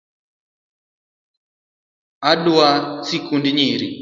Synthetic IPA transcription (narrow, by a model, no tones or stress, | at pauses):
aɗuasikundiɲiɾi